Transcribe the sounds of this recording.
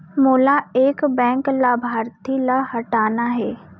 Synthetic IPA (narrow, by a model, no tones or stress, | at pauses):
moːlaeːkbɛ̃ːŋklaːbʱaːɾt̪ilahɐʈaːnaɦɛː